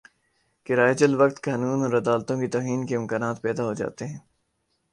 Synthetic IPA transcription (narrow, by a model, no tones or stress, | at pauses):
kɪɾaːed͡ʒəlʋɐk̚t̪kaːnuːnɔːɾɐd̪aːlt̪õkit̪ɔːɦiːnkeɪ̃mkaːnaːt̪pɛːd̪aɦod͡ʒa̰ːt̪eɦɛ̃ː